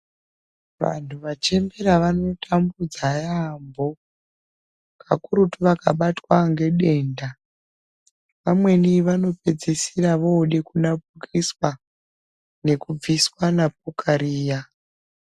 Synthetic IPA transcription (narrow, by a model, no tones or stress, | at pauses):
ʋa̰ntʰuʋat͡ʃe̞mbe̞ɾaʋano̞tʰambud͡zajambo | kʰa̰kuɾutuʋakaɓatwaŋɡe̞ɗe̞ːnda | ʋamwe̞niʋano̞pe̞d͡zisiraʋoɗekunapukʰiswa | ne̞kub͡viswanap̚ukʰaɾiːja